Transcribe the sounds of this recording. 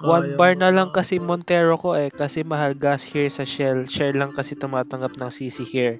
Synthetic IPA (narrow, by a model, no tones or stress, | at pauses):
wɐnbɐɹnɐlɐŋkɐsɛmont̪ɛːɾokoʔɛkɐsɛmɐɦɐlɡashiɹsɐʃɛlʃɛɹlɐŋkɐsɛt̪ʊmaːt̪ɐŋɡap̚nɐŋsiːsɪhiɹ